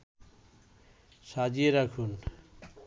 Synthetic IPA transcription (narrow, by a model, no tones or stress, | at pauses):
ʃad͡ʑieɾakʰun